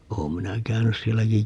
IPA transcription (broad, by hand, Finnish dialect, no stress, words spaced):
oːm minæ kæynys sielːæki